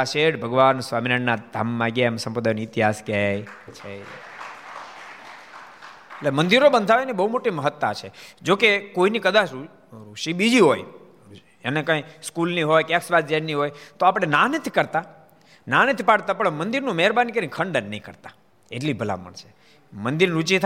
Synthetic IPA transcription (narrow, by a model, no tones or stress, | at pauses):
aʃeʈbʱəɡʋansʋaminaɳːad̪ʱamːãɡjaemsəmpəd̪ʱaniːt̪iɦaskjajt͡ʃʰe | eʈlemə̃nd̪iɾobənd̪ʱaʋenibəɦumoʈiməɦət̪ːat͡ʃʰed͡ʒokekoinikəd̪at͡ʃʰu | ɾuʃibid͡ʒiɦoj | enekãjskulniɦojkãksʋat̪d͡ʒennːiɦojt̪oapəɽ̃enanit̪ʰikəɾt̪a | nanit̪ʰipaɽt̪apəɽmənd̪iɾnũmɛɾbanikəɾĩkʰəɳɖənːəĩkəɾt̪ḁ | eʈlibʱəla̰pə̰ɳt͡ʃʰe̥ | mənd̪iɾnɾut͡ʃit̪ʰ